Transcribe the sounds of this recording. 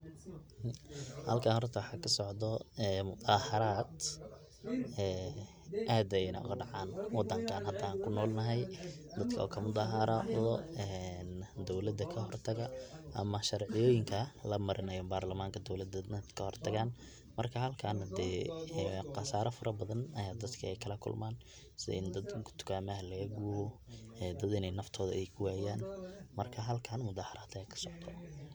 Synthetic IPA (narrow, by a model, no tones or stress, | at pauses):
hɐ̰lkʰaːhɔrt̪ʰɐwħɑːkʰɐsɔʕd̪ɔɛːmʊt̪ʼaːhɐɾaːd̪ | ɛː | ʔaːd̪ɛnɐ̰ʔʊ̰ɣɐɖɑʕaːnwɑd̪ːɐŋkʰaːnhɐd̪aːŋkʰʊnɔːlnɐɦɛjd̪ɐd̪kʰɐɔ̰ːkʰɐmʊd̪aːɦɐɾɐðɔɛnd̪ɔwlɐd̪ɐkʰɐɦɔrt̪ʰɐɣɐʔɐ̰mɐʃɐrʕɪjɔːjɪŋkʰɐlɐmɐɾʔɪnɐjɔmbaːrlɐmaːŋkʰɐd̪ɔwlɐd̪ɐɐd̪kʰɐhɔrt̪ʰɐɣaːn | mɐrkʰɐhɐlkʰanɐd̪ɛː | qɑsaːɾɐfɐɾɐbɐðɐnɐjaːd̪ɐd̪kʰɐɛjkʰɐlɐkʰʊ̰lmaːn | sɪð̰ɪnd̪ɐd̪kʰʊ̥t̪ʰʊ̥kʰaːmɐɐlɐɡɐɡuːɾɔɛːd̪ɐd̪ɪnɛjnɐft̪ʰɔːðɐʔɛjkʰʊwaːjaːnmɐrkʰɐɦɐlkʰaːnmʊd̪aːhɐɾɐːt̪ʰɐɛkʰɐ̥sɔʕt̪ʰɔ